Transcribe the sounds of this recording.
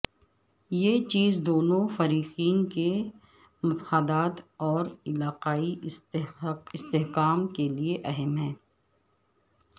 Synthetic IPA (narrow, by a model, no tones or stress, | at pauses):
jet͡ʃiːzd̪oːnõfɐɾiːqiːnke | mɐfaːd̪aːt̪ɔːɾɪlaːqaːi | ɪst̪eɦkaːmkelieʔɐɦɛmɦɛ̃ː